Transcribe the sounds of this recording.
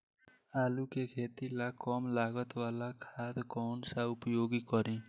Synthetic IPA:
aːlukekʰeːt̪ilakɔːmlaːɡət̪ʋaːlakʰaːd̪kɔːnsaʊpjoːɡikɔɾẽː

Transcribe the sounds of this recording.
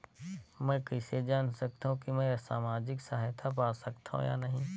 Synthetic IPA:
mɛ̃ːkəɪsed͡ʒaːnsɐk̚t̪aɦũkimɛ̃sa̰ːmaːd͡ʒɪksaɦjt̪ʰap̬aːsɐkt̪aɦṵ̃ja̰ːnɐɦĩ

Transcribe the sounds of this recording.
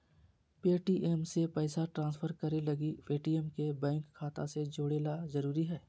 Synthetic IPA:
peːʈiʔemsepɛːsaʈɾãːnsfʰəɾkɐɾelɐɡipeːʈiɛmkebɛ̃ːŋkʰːaːt̪a̰sed͡ʒoːɽeːlazɐɾuːɾiɦɛː

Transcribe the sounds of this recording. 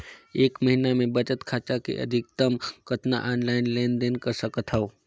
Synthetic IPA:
eːkməɦinamẽbət͡ʃət̪kʰaːt͡ʃakḛʔə̰d̪ʱɪk̚t̪əmkət̪na̰ʔaːnlaːɪnleːnd̪eːnkəɾsəkət̪ɦəoː

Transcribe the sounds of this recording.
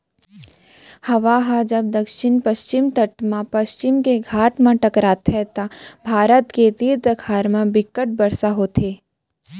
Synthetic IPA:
hɐʋaɦad͡ʒɐb̚d̪ɐkʃɪnpəʃt͡ʃɪmt̪əʈmãpɐʃt͡ʃɪmkeɡʱaːʈmãʈɐkɾaːt̪ɦɛt̪abʱaːɾət̪ked̪iːɾd̪əkʰaːɾmãbɪkːəʈ̚bɐɾsaɦoːt̪ʰeː

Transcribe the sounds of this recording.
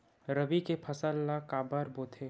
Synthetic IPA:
ɾɐbikepʰɐsəlːakaːbəɾboːt̪ʰeː

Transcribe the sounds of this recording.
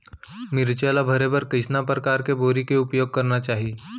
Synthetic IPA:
mɪɾt͡ʃelabʱɐɾebəɾkɪsnapɾəkaːɾkeboːɾikeʊpjoːɡ̚kɐɾnat͡ʃaːɦi

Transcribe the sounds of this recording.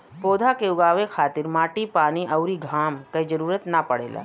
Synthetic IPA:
poːd̪ʱakeʊɡaːʋekʰaːt̪ɪɾmaːʈipaːniʔɐʊɾiɡʱaːmkɐid͡ʒɐɾuːɾət̪napɐɽḛːla̰ː

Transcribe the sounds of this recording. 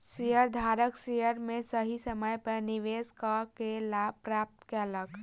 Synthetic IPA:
sijəɾd̪ʱaːɾəksijəɾmẽsəɦisəməjpənɪʋeːskakelapɾaːp̚t̪keələɡ

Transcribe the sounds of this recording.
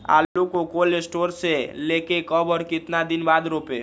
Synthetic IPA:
a̰ːukokolesʈoːɾseleːkekɔbəɾkɪt̪nad̪ɪnbaːd̪ɾoːpe

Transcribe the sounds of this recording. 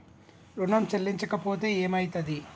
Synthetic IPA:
ɾuɳɐmt͡ʃɐlːiɲt͡ʃɐkɐpo̞ːt̪e̞ːeːmɐjt̪ɐd̪i

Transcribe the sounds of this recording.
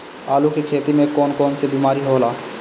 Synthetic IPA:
aːlukekʰeːt̪imẽkɔnkɔnsebimaːɾiɦolaː

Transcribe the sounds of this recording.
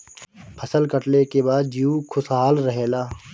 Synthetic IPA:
pʰəsəlkəʈlekebaːd̪̚d͡ʒiukʰʊsɦaːlɾəɦeːlaː

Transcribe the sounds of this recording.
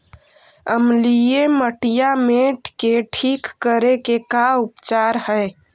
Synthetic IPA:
əmlieməʈijameʈkeʈʰikːəɾekekaupt͡ʃaɾhəj

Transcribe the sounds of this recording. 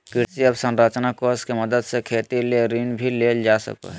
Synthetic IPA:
kɪɾsiəbsə̃nɾaːt͡ʃnakoːskeməd̪əd̪sekʰeːt̪ileɾinbʱileːld͡ʒaːsə̰ka̰ɦɛ

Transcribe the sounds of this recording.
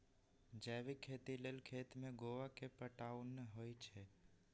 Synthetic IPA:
d͡ʒɛːʋikʰːet̪ilelkʰet̪mẽɡoʋakepəʈanɦojt͡ʃʰe

